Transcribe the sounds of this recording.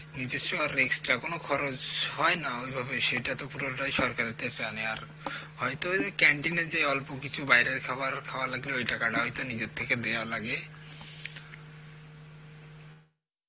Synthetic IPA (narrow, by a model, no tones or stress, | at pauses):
nid͡ʑeoaɾːeksʈːakonokʰɔɾod͡ʑhɔenaojbʱabeʃeʈat̪opuɾoʈajʃɔɾkaɾeɾt̪ʰekɾaneaɾ | ɦhɔjt̪okɛɳʈined͡ʑeɔlpokit͡ɕʰubajɾeɾkʰaaɾkʰaoalaɡleojʈakaʈaɦɔjt̪onid͡ʑet̪ʰːeked̪ealaɡe